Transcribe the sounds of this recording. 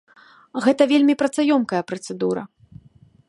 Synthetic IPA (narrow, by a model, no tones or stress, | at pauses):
ɣɛt̪ɐvʲelʲmʲipɾɐt̪sajɔmkɐjɐpɾɐt̪sɨd̪uɾɐ̰